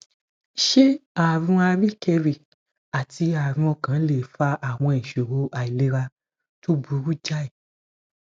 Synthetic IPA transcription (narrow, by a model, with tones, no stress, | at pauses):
ʃe˦a˨ɾũ˦˧a˧ɾi˦˨kɛ˧ɾi˨ | a˨tʰi˧a˨ɾ̃ũ˧ɔ˧kã˨˦le˨fa˧˦ʔa˨w̃ɔ̃˧ɛ˨ʃo˨ɾo˧˦ʔa˨i˨le˧˦ɾa˧ | to˦bu˨˦ɾu˦d͡ʒa˦i˨